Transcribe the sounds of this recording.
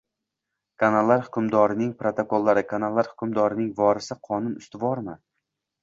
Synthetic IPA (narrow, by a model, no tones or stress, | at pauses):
kʰanalˠːaɾhʊkʰʲʊmd̪ɒɾɪnɪŋpɾot̪ʰokʰolˠːaɾɪkʰanalˠːaɾhʊ̥kʰʲʊmd̪ɒɾɪnɪŋvɒɾɪsɪqʰɒnʊnʊst̪ɪvɒɾmɪ